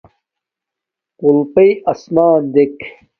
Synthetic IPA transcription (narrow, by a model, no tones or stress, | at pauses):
qulpɐjɐsmaːnd̪ek